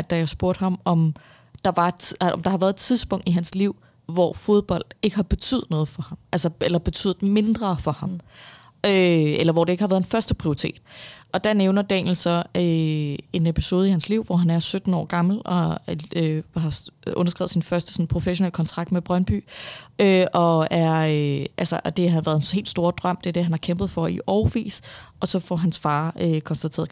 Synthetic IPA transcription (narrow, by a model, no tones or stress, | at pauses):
æd̥æjasb̥oɐ̰d̥hɑ̈mɒ̽m | d̥ɑ̈ʋɑ̈ɒmd̥ɑ̈hɑ̈ʋæɐð̞ˠedt͡sʰiðˠsb̥ɔ̽ŋ̰d̥iɦænsliʊ̰ | ʋɒ̰fo̝ð̞ˠb̥ɒ̽l̰d̥e̝ɡ̥əhɑ̈b̥e̝t͡sʰy̰ð̩ˠnɔ̽ːð̞̩ˠfɒ̽hɑ̈mʔælsɐelɐb̥e̝t͡sʰy̰ːðð̩ˠme̝nd̥ʁɐːfɒ̽hɑ̈m | øelɐʋɒd̥e̝eɡ̥əhɑʋæːðˠenfɶɐsd̥əpʰʁio̝ʁit͡sʰe̝̰ːd̥ɒ̽d̥æneʊnɐd̥ɛ̰nl̩sɒ̽øe̝nepʰi̥so̝ːð̞̩ˠihænsliʊ̰ʋɒɦænæɐsød̥n̩ɒ̰ːɡ̥ɑ̈ml̩ɒ̽øɦɑ̈ʔɔnɐsɡ̥ʁɛ̰ʊð̩ˠsinfɶɐsd̥ə̥sɔ̽npʰʁo̝feɕo̝nḛl̰kʰɒ̽nt͡sʰʁɑ̈ɡ̥̚d̥meb̥ʁɶnb̥y̰ːøʔɒ̽æɐøʔælsɐʔɒ̽d̥e̝ɦɑʋæːɐðˠenhe̝̰ld̥sd̥o̝ːɐd̥ʁɶm̰d̥e̝ɐd̥e̝ɦænhɑ̈kʰemb̥ð̞̩ˠfɒ̽iʔɒʊʋḭːsʔɒ̽sɒ̽fɒɦænsfɑ̈ːøkʰɒ̽nsd̥æt͡sʰḛːɐð